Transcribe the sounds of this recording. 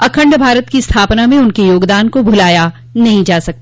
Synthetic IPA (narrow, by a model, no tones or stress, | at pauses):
ɐkʰə̃ɳɖbʱaːɾət̪kist̪ʰaːpnamẽʊnkejoːɡd̪aːnkobʱʊlaːja | nɐɦĩd͡ʒaːsɐk̚t̪a